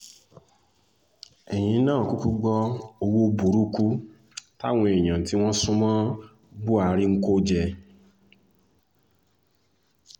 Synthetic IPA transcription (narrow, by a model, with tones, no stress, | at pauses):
ɛ˨j̃ĩ˨˦nãː˦˨ku˦ku˦ɡ͡bɔ˦o˧wu˦bu˨ɾu˦ku˦ | ta˦w̃ɔ̃˧e˨j̃ã˨ti˨˦w̃ɔ̃˦sũ˦mã˦ | bu˦a˧˨ɾi˦ŋ̩˦ko˦d͡ʒɛ˧